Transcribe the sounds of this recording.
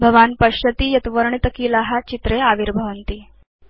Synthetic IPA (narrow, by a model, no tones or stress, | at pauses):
bʱəʋanpəɕət̪iːjɐt̪ʋəɾɳit̪əkiːlaɦat͡ɕit̪ɾeaʋiɾbʱəʋənt̪iː